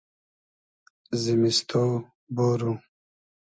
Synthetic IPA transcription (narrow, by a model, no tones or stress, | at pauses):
zimist̪ʰo | boːɾu